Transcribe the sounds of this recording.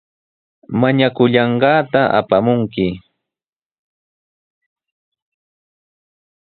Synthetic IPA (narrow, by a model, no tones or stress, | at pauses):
maɲakʊʎɑɴɢɑːt̪aʔa̰pamʊŋkɪ